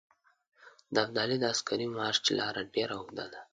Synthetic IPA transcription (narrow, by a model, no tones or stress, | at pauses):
d̪əab̚d̪ɑlid̪əaskaɾimɑʃt͡ʃlɑɾaɖeɾawd̪a̰d̪a